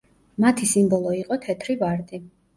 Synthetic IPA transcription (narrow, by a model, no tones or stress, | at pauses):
mat̪ʰisimbɔlˠɔiqʼɔt̪ʰɛt̪ʰɾivaɾt̪ʼi